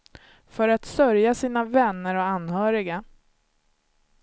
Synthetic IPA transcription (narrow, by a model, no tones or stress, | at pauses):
fœɾat̪sœɾjasiːnavɛnːəɾɔanhœːɾɪɡa